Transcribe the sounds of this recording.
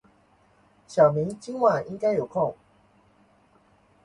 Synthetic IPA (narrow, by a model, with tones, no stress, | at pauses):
ɕjɑ˨˩mi˨˦ŋt͡ɕi˦ŋwa˥˨˩ni˦ŋka˥˦ɪjo˨˩ʊkʰɔ˥˨ŋ